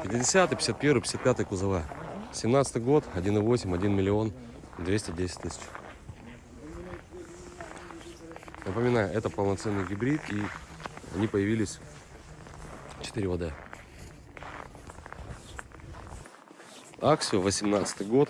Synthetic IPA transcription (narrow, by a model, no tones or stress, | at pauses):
pʲɪtʲɪdʲɪsʲat̪ɨjpʲɪ̥sʲat̪̚pʲe̞ɾvɨjpʲɪ̥sʲat̪̚pʲat̪ɨjəkʊzɐvasʲɪmnat̪sət̪ɨjɡo̞t̪ɐdʲinɨvo̞sʲɪmʲɐdʲinmʲɪlʲɪo̞n | d̪vʲesʲtʲɪdʲesʲɪ̥tʲt̪ɨsʲɪ̥t͡ɕ | nəpəmʲɪnajʊʔɛt̪əpəlˠnɐt̪sɛnːɨjɡʲɪbɾʲit̪i | ɐ̰nʲipəjɪvʲilʲɪsʲ | t͡ɕɪ̥t̪ɨɾʲɪvɐd̪a | aksʲɪjʊvəsʲɪmnat̪sɨ̥t̪ɨjɡo̞t̪